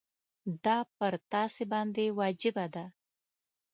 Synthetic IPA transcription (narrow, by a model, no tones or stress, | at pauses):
d̪ɑpəɾt̪ɑsebɑnd̪ewɑd͡ʒɪbad̪a